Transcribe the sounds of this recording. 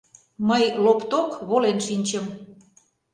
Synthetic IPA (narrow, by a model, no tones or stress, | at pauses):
məjlopt̪okβolenʃinʲt͡ɕə̆m